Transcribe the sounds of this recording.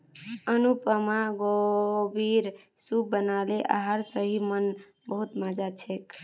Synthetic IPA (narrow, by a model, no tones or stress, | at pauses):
ənupəmaɡobiɾ | subənaleʔa̰ɦəɾsəɦimən | bəɦut̪mad͡ʒat͡ʃʰek